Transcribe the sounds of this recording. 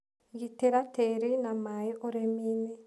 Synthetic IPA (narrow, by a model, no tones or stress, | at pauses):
ɡiteɾateɾinamajiʔoɾemini